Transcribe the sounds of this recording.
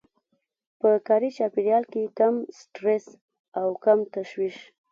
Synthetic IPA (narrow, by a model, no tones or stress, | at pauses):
pəkɑɾit͡ʃɑpiɽjɑlkekamsʈɾes | awkamt̪aʃwiʃ